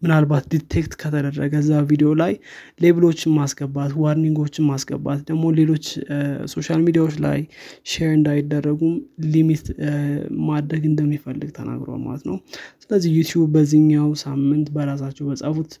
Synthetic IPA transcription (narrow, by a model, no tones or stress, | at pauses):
mɨnalbat̪d̪it̪ʰːe̞kt̪kʰət̪ʰəd̪ərːəɡəzːavid̪eo̞lajle̞βɨlo̞t͡ʃːɪnmasɡəbːat̪wɔɾniŋɡo̞t͡ʃːɪnmasɡə̰bːa̰t̪d̪əɡmo̞le̞lo̞t͡ʃːso̞ʃalmid̪ijawo̞t͡ʃːla̰jʃeɾɨnd̪ajɪd̪ːərːəɡumlimit̪ | mad̪ɾəɡɨnd̪əmːifəlːɨɡt̪ʰəna̰ɡɾo̰a̰lma̰lə̰t̪nə̰wsɨləzːihjut̪ʰjubːəzɨɲːawsamːɨnt̪bəɾas̬at͡ʃːɛwbəsʼəfut̪